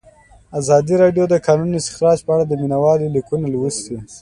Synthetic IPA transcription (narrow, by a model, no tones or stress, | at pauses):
azɑd̪iɾɑɖjod̪əkɑnunɪst̪ɪ̥xɾɑd͡ʒpəaɽad̪əminawɑlolikunalwəst̪i